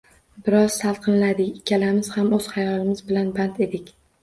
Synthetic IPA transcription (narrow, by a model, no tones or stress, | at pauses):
bɪɾɒz̥salˠqʰɨnlad̪ɪkʲɪkʲːalamɪz̥hamɵz̥hajɒlˠɪmɪzbɪlanbant̪e̞d̪ɪkʲ